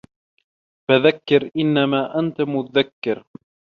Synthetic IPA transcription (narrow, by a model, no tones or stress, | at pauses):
faðakːɪɾʔɪnːamaːʔant̪amʊt̪aðakːɪɾ